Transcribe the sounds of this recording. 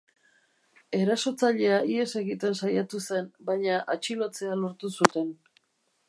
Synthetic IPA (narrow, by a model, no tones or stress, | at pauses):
e̞ɾaso̞t͡saʎe̞aie̞se̞ɣit̪e̞nsajat̪use̞nbajɲaʔat͡ʃilot͡se̞alo̞ɾt̪usut̪e̞n